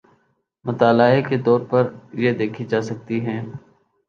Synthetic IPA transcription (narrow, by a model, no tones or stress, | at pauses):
mʊt̪aːlaːeket̪ɔːɾpɐɾjed̪eːkʰid͡ʒaːsɐk̚t̪iɦɛ̃ː